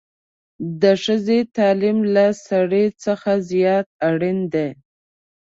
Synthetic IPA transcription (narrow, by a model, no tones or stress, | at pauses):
d̪əʂəzet̪ɑlimlasaɽet͡səxazijɑt̪̚aɽind̪e